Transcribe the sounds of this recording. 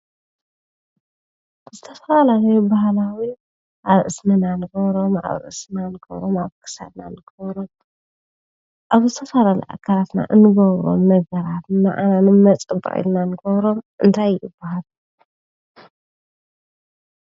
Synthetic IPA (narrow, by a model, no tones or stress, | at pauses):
zɨt̪ʰɐfɐlalalɐjobahlawi | ʔaβʔɨsmɨnanɨɡɐβɾo̞ma̰βʔɨ̰snanɨɡɐ̰βɾomaβkʰɨ̥sa̰d̪nanɨɡ̥ɐβɾom | ʔaβzɨt̪ʰɐfalalɐ̰jʔa̰kʰalat̪na̰ʔɨnɨɡɐβɾo̞̰mnɐɡɐɾat̪na̰ʔananɨmɐt͡sʼɨbɨ̰ḭlnanɨɡɐβɾo̞mʔɨnt̪ʰajɨb̥ːaɦal